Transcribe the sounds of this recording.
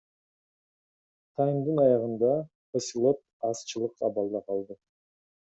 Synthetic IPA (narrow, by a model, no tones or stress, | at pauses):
t̪ʰɑjmd̪ɯnɑjɑʁɯnd̪ɑ | esʲilˠo̞t̪̚ɑst͡ʃɯlˠɯqɑbɑlˠd̪ɑqʰɑlˠd̪ɯ